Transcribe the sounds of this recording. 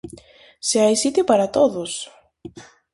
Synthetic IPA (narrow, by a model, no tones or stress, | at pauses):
seajsit̪ipɐɾɐt̪oðus